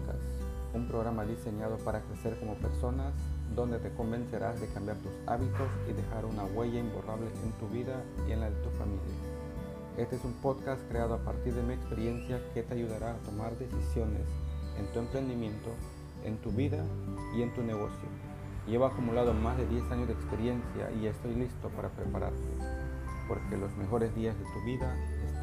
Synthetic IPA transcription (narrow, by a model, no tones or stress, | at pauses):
ka̰sumpɾo̞ɣɾamaðise̞ɲað̞o̞paɾakɾe̞se̞ɾko̞mo̞pe̞ɾso̞nasd̪o̞nd̪e̞t̪e̞ko̞mbe̞nse̞ɾʔazðe̞kambjaɾt̪usa̰βit̪o̞siðe̞xaɾunaɣwe̞ʝaimboraβle̞ʔḛnt̪uβiðaienlaðet̪ufa̰milja̰ | e̞st̪eesumpo̞ðkast̪kɾeaðoapa̰ɾt̪iɾðemiekspe̞ɾje̞nsjaket̪eaʝuðaɾaːt̪o̞maɾðe̞sisjo̞nḛsḛnt̪ue̞mpɾe̞nd̪imjẽ̞nt̪o̞ | ḛnt̪uβiðaie̞nt̪uneɣo̞̰sjo̰ | ʝeβoakumulaðomazðe̞ðje̞saɲozðekspe̞ɾje̞nsja̰ʔie̞st̪o̞jlist̪o̞paɾʔapɾepaɾa̰ɾt̪ḛpo̞ɾkelo̞zme̞xo̞ɾe̞zðiazðet̪uβiðaes